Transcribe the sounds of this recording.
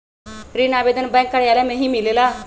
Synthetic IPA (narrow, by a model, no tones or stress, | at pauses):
ɾinabed̪ənbɛ̃ŋkːəɽjalamẽɦimilela